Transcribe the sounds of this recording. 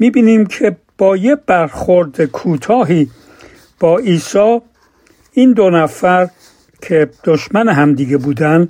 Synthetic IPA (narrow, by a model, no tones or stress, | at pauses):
miːbiːniːmkʰe̞ | b̥ɒːjeb̥æɾxoɾd̪ekʰuːt̪ʰɒːɦiː | b̥ɒːiːsɒː | iːnd̪o̞næfæɾ | kʰe̞d̪̥oʃmæneɦæmd̪iːɡe̞buːd̪ænd̪